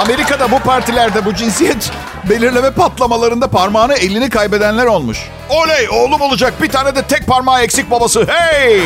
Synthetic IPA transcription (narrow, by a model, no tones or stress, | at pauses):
ame̞ɾikad̪abupʰaɾt̪ʰilʲæɾd̪ɛbud͡ʒinsijɛt̪ | be̞lʲiɾlʲemɛpat̪lˠamalˠaɾɯnd̪apʰaɾmaːnɯe̞lʲinikʰajbe̞d̪ænlʲæɾo̞lˠmuʃ | ølʲejo̞ːlˠumo̞lˠud͡ʒak̚bit̪ʰaːned̪ɛt̪ʰɛc̚paɾmaːecsic̚babasɯhejj